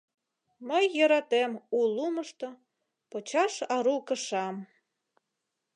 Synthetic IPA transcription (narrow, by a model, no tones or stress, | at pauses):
məjːəɾɑt̪emuluməʃt̪o | pot͡ɕɑʃɑɾukə̆ʃɑm